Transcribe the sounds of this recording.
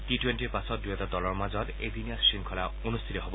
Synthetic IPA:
titwentiɹpasɔt̚duɦɛtɔdɔlɔɹmazɔtḛziniasːiŋkʰɔla | onust̪ʰitɔɦobɔ

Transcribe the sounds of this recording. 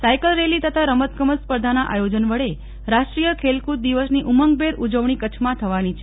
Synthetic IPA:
sajkəlɾelit̪ət̪ʰaɾəmət̪̚kəməspəɾd̪ʱanaʔajod͡ʒənʋəɭe | ɾaʃʈɾijəkʰelkuɾ̚d̪iʋəsniʔuməŋɡ̚beɾud͡ʒəʋɳikət͡ʃʰmãt̪ʰəʋanit͡ʃʰe

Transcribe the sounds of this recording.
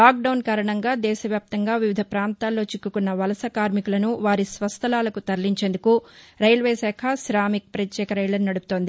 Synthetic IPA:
laːk̚ɖɐwnkaːɾɐɳɐŋɡaːd̪ɛːʃɐʋjaːp̚t̪ɐŋɡaːʋiʋid̪ʱɐpɾaːnt̪aːlːo̞ːt͡ʃikːukunːɐʋɐlɐsɐkaːɾmikulɐnuʋaːɾisʋɐst̪ʰɐlaːlɐkut̪ɐɾliɲt͡ʃe̞ːnd̪ukuɾɐjlʋeːsɛːkʰɐsɾaːmik̚pɾɐt̪jɛːkɐɾɐjlɐnnɐɽupu̥t̪o̞ːnd̪i

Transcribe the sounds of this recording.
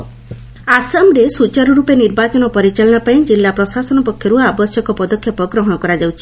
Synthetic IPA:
asamɾesut͡ʃaɾɔɾupeniɾbat͡ʃɔnɔpɔɾit͡ʃalɔɽ̃apaĩd͡ʒilːapɾɔsasɔnɔpɔkʰːjɔɾuabɔsjɔkɔpɔd̪ɔkʰjɔpɔɡɾɔɦɔɽ̃ɔkɔɾad͡ʒawt͡ʃʰi̥

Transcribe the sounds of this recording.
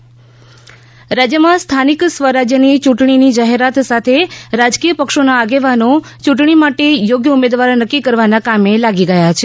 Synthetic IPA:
ɾad͡ʒjəmãst̪ʰaniksʋəɾad͡ʒjənit͡ʃuʈɳinid͡ʒaɦeɾat̪sat̪ʰeɾad͡ʒkijəpəkʃonaːɡeʋanõ | t͡ʃuʈɳ̃imaʈejoɡjəumed̪ʋaɾnəkːikəɾʋanakamelaɡiɡəjat͡ʃʰe

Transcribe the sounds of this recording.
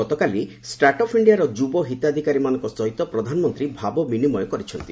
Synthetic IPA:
ɔt̪ɔkali | sʈaɾʈɔpʰiɳɖiaɾɔd͡ʒubɔɦit̪ad̪ʱikaɾimanɔ̃ŋkɔsɔjt̪ɔpɾɔd̪ʱanɔmɔnt̪ɾibʱabɔminimɔjɔkɔɾit͡ʃʰɔnt̪i

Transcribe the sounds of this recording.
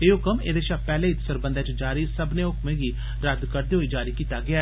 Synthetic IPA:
eːokəmḛːd̪eːʃaːpɛːlẽːɪt̪səɾbənd̪ẽːt͡ʃd͡ʒaːɾiːsəbnẽːʊkmẽːɡiː | ɾəd̪kəɾd̪eːɦoːiːd͡ʒaːɾiːkiːt̪aːɡɪaː

